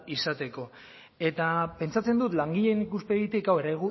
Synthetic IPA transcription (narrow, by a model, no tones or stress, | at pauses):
isat̪e̞ko̞ | e̞t̪ape̞nt͡sat͡se̞nd̪ut̪laŋɡiʎe̞nikuspe̞ɣit̪ikawe̞ɾajɣu